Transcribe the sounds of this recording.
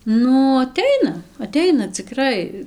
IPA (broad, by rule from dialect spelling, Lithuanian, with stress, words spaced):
ˈnʊ ɐˈtʲɛɪnɐ ɐˈtʲɛɪnɐ t͡sʲɪˈkrɐɪ